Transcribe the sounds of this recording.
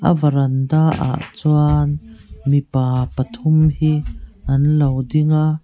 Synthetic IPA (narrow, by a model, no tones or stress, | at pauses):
ʔɐ̰vɐɾɐndaːʔa̰ʔt͡suanmipaːpɐt̪ʰʊmhiʔɐnlɐwdɪŋaʔ